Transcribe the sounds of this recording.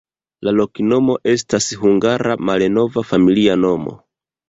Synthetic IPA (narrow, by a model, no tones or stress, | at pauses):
lalokino̞mo̞ʔe̞s̬tashuŋɡaɾamaleno̞vafamiliano̞mo̞̰